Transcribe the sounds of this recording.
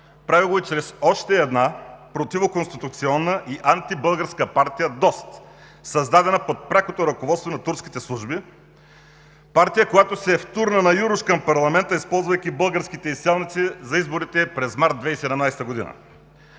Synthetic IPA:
pɾavilˠoit͡ʃɾɛsɔʃt̪ɛːd̪napɾot̪ivokonst̪it̪ut̪siɔnːəʔiʔant̪ibɤlˠɡəɾskəpaɾt̪ijəd̪ɔst̪ | sɐzd̪ad̪ɛnəpot̪̚pɾʲakot̪oɾɐkovɔt̪st̪vonɐt̪uɾsk̟ʲi̥t̪ɛslˠuʒbi | paɾt̪ijəkojat̪osɛft̪uɾnənɐjuɾʊʃkɐmpɐɾlˠɐmɛnt̪əispɔlˠzvɐjk̟ʲibəlˠɡəɾskit̪ɛisɛlˠnit̪sizɐizboɾit̪ɛpɾɛzmaɾt̪̚d̪vɛisɛd̪ɐmnajst̪əɡod̪ḭnə̰

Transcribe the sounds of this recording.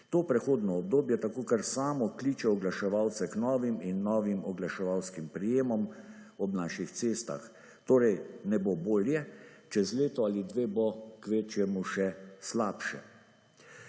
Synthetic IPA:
t̪oːpɾɛxoːd̪nɔːb̚d̪oːbjɛt̪akoːkaɾsaːmɔkliːt͡ʃɛɔɡlaʃɛʋawt̪sɛknɔːʋiminːɔːʋimɔɡlaʃɛʋawskimpɾijeːmɔm | ɔbnaːʃixt̪seːst̪a̰x | t̪oːɾɛjnɛboboːljɛt͡ʃɛzleːt̪ɔalid̪ʋeːbokʋeːt͡ʃjɛmuʃɛslaːpʃɛ̰

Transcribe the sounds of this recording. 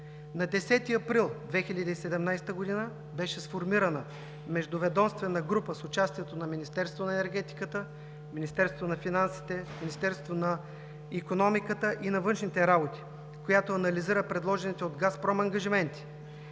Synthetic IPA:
nɐd̪ɛsɛt̪iɐpɾilˠd̪vɛxilʲəd̪iːsɛd̪ɛmnajst̪əɡod̪inə | bɛʃɛsfoɾmiɾɐnə | mɛʒd̪ʊvɛd̪ɔmst̪vɛnəɡɾupəsʊt͡ʃast̪iɛt̪onɐminist̪ɛɾst̪vonɐɛnɛɾɡɛt̪i̥kət̪ə | minist̪ɛɾst̪ʊnɐfinansi̥t̪ɛminist̪ɛɾst̪vonɐ | ikonɔmikət̪əʔinɐvɤnʃnit̪ɛɾabot̪i̥ | kojat̪oɐnɐliziɾəpɾɛd̪lˠɔʒɛnit̪ɛod̪ɡaspɾɔmɐŋɡɐʒimɛnt̪i̥

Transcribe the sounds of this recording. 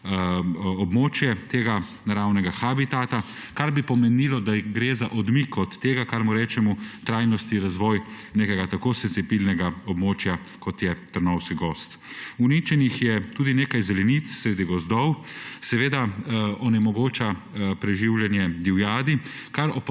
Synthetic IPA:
ɔbmoːt͡ʃjɛt̪eːɡa | naɾawnɛɡaxabit̪at̪a | kaɾbipɔmɛnilɔd̪aɡɾeːzaʔɔd̪mikɔt̪ːeːɡakaɾmuɾɛːt͡ʃɛmut̪ɾajnɔst̪iɾazʋɔːj | neːkɛɡat̪akoːsenzibilnɛɡaɔbmoːt͡ʃja | kɔt̪jɛt̪əɾnɔwskiɡɔst̪ | unit͡ʃɛnixjɛt̪uːd̪ineːkajzɛlɛnit̪ssɾed̪iɡɔzd̪ɔwsɛʋeːd̪aɔnɛmɔɡoːt͡ʃapɾɛʒiwljɛnjɛd̪iwjaːd̪i | kaɾɔp

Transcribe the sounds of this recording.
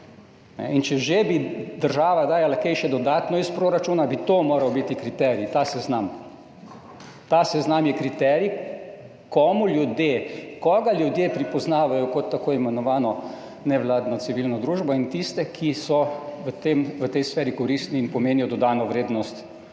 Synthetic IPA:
nɛ̰int͡ʃɛʒebid̪əɾʒaːʋad̪aːjalakɛjʃɛd̪ɔd̪aːt̪nɔispɾoːɾat͡ʃuːnabit̪omoːɾɐwbit̪ikɾit̪ɛːɾjit̪asɛznam | t̪asɛznamjɛkɾit̪ɛːɾi | kɔmuljud̪jekɔɡaljud̪jepɾipɔznaːʋajɔkɔt̪ːakoːimɛnɔʋaːnɔ | nɛʋlaːd̪nɔt̪siʋilnɔd̪ɾuːʒbɔint̪ist̪ɛkʰisɔʋət̪emʋət̪ɛjsfɛːɾikɔɾist̪niːnpɔmeːnijɔd̪ɔd̪aːnɔʋɾeːd̪nɔst̪

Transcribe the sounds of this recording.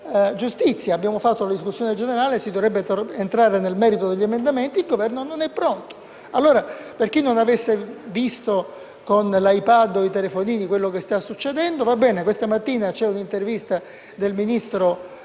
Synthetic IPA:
d͡ʒust̪it̪sːjaːbːjaːmofat̪ːolad̪iskusːjoːned͡ʒeneɾaːlesid̪ovɾɛbːeent̪ɾaːɾenelmɛːɾit̪od̪eʎːiemend̪ament̪iːlɡovɛrnononɛpːɾont̪o̥ | alːoːɾaperk̟inːonavesːevist̪o | konlajpad̪oit̪elefoniːnikwelːokest̪asːut͡ʃːed̪ɛnd̪ovabːɛːnekwest̪amat̪ːiːnat͡ʃɛunint̪ervist̪a | d̪elminist̪ɾo

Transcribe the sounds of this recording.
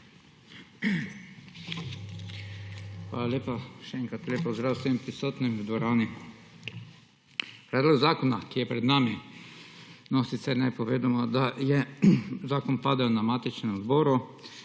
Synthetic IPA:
xʋa̰ːlaleːpaʃɛɛːŋkɾat̪lepɔzd̪ɾawsʋempɾisoːt̪nimd̪ʋɔɾaːni | pɾɛːd̪lɔɡzaːkɔnakijɛpɾɛd̪naːmi | nɔsit̪sɛɾnɛpɔʋeːd̪omɔd̪ajɛzaːkɔnpaːd̪ɛwnamaːt̪it͡ʃnɛmzbɔːɾu

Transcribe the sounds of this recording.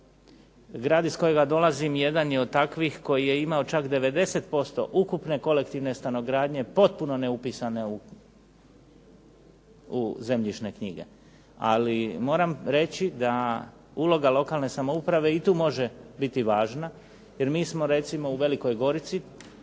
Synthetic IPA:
ɡɾaːd̪isko̞jeɡad̪o̞lazimje̞d̪anjio̞d̪̚t̪akʋixko̞jije̞imao̞t͡ʃakd̪e̞ʋe̞d̪e̞se̞t̪po̞st̪o̞̰ʔukupne̞ko̞le̞kt̪iʋne̞st̪ano̞ɡɾaːd̪ɲe̞po̞t̪̚puno̞ne̞upiːsaneu | uze̞mʎiʃne̞kɲḭɡe̞̰ | a̰limo̞ːɾamɾe̞t͡ɕid̪a | uːlˠo̞ɡalo̞kalˠne̞samo̞upɾaʋe̞it̪uːmo̞ʒebit̪iʋaːʒna | je̞ɾmiːsmo̞ɾe̞t̪simo̞uʋe̞liko̞jɡo̞ɾit̪si

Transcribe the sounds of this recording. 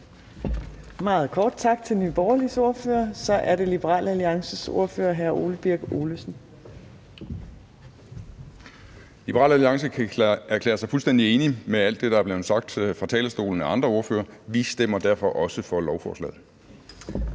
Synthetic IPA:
mɑ̈ːð̞̩ˠkʰɒːd̥̚t͡sʰɑ̈ɡ̥̚t͡sʰe̝lnyːb̥ɒːɐliso̝ɐfø̰ːɐsɒ̽ʔæɐɾe̝lib̥əʁɑ̰̈ːlʔəæliɑ̈ŋsəso̝ɐfø̰ːɐɦæɐʔo̝̰ːləb̥iɐ̰ɡ̥o̝̰ːləsn̩ | lib̥əʁɑ̰ːlæliɑ̈ŋsəæɐkʰlḛːɐsɑ̈ɪfulsd̥end̥ie̝ːnimeæl̰d̥ːe̝ɾ̥ɑ̈æɐb̥le̝ːð̩ˠsɑ̈ɡ̥̚d̥fʁɑ̈t͡sʰɛ̰ːləsd̥o̝̰ːln̩æɑ̈nd̥ʁɐo̝ɐfø̰ːɐʋisd̥em̰ɐd̥æɐfɒ̽ʔɒ̽səfɒ̽lɒʊfɒːslɛ̰ːð̩ˠ

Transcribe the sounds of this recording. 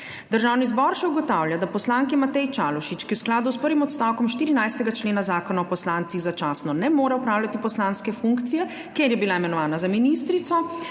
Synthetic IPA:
d̪əɾʒawnizbɔɾʃɛuɡɔt̪aːwljad̪apɔslaŋkimat̪ɛjt͡ʃalɔʃit͡ʃkiwsklaːd̪uspəɾʋimɔt̪st̪awkɔmʃt̪iːɾinajst̪ɛɡat͡ʃleːnazaːkɔnaɔpɔslant̪siɣzat͡ʃaːsnɔnɛmoːɾɛɔpɾaːwlʲjat̪ipɔslanskɛfuŋkt̪sijɛ | keɾjɛbilaimɛnɔʋaːnazaminist̪ɾit̪sɔ

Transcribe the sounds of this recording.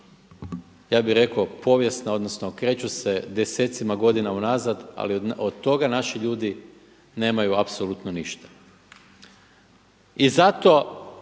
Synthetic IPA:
jaːbiɾe̞kopʰo̞ʋje̞snao̞d̪nosnokɾe̞ːt͡ɕuse̞d̪ese̞ːt̪simaɡo̞d̪inaunazad̪a̰liod̪t̪o̞ɡanaʃiʎuːd̪i | ne̞ːmajuapsolˠut̪noniʃt̪ḁ | izat̪o̞

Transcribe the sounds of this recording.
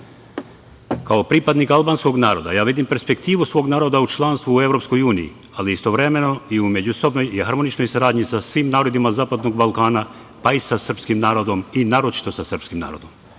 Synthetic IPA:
kaopɾipad̪nikalˠbaːnsko̞ɡnaːɾo̞d̪a̰jaːʋid̪impeɾspe̞kt̪iːʋusʋoɡnaːɾo̞d̪aut͡ʃlˠanst̪ʋuːe̞vɾo̞psko̞juːnijḭ | aliist̪o̞ʋɾe̞me̞no̞iume̞d͡ʑuso̞bno̞jehaɾmonit͡ʃno̞jsaɾaːd̪ɲisasʋimnaːɾo̞d̪imazaːpad̪no̞ɡbalˠkaːna | paisasr̩pskimnaːɾo̞d̪o̞minaːɾot͡ʃi̥t̪o̞sasr̩pskimna̰ːɾo̞d̪om

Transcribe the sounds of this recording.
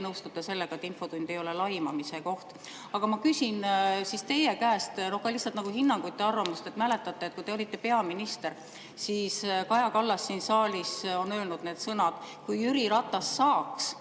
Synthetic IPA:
nɤwst̪ut̪ːˑese̞lːe̞ɡ̥ɑet̪info̞t̪unʲd̪ejo̞le̞lɑjmɑmise̞ko̞ht̪ | ɑɡ̥ɑmɑkysʲinsist̪e̞je̞kæːst̪no̞hkːɑlihsːɑlt̪nɑɡ̥uhinːɑŋɡ̥ujt̪ˑːe̞ɑrvɑmust̪e̞t̪mæle̞t̪ːˑɑt̪ˑːet̪̚kuijt̪eo̞lʲit̪ːe̞pe̞ɑminist̪e̞ɾ | siːskɑjɑkɑlːɑsːinsɑːlʲiso̞nø̞ːlnud̪̥ne̞ːd̪sɤnɑd̪̥kujyɾiɾɑt̪ːˑɑsːɑːks

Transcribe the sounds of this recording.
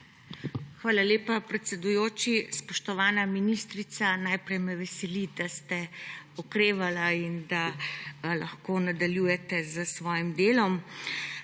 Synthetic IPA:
xʋaːlaleːpapɾɛt̪sɛd̪ujoːt͡ʃispɔʃt̪ɔʋaːnaminist̪ɾit̪sanajpɾɛjmɛʋɛsɛlid̪ast̪ɛɔkɾeːʋalaind̪a | laxkoːnad̪aljuːjɛt̪ɛzəsʋɔːjimd̪eːlɔm

